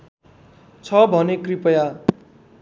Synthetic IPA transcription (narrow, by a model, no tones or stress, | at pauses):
t͡sʰʌbʱʌnekripʌja